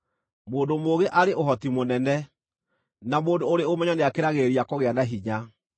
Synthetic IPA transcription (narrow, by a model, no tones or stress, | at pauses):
moːndomoːɣeʔaɾeʔoɦɔtimonɛnɛ | namoːndoːɾeomɛɲɔneakeɾaɣeɾiakɔɣeanaɦiɲa